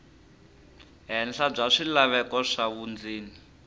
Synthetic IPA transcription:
ɦɛnɬab͡ʐaʂilaβɛkɔʂaβund͡ziːni

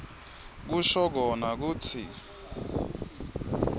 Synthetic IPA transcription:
k̬uʃɔk̬ɔnak̬uːt͡sʰḭ

